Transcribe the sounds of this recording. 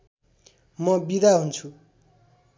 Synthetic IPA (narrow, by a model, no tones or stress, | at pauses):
mʌbid̪aɦunt͡sʰu